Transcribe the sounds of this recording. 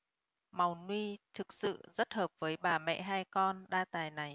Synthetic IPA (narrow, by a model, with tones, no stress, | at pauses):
ma˨˩wnwi˧t̪ʰɨ˨˩k̚sɨ̰˧˨zə˦˥t̚həː˨˩p̚vəː˨˦jɓaː˧˩mɛ̰˧˨ɦaː˧jkɔ˧nɗaː˧t̪aː˨˩jna˨˩j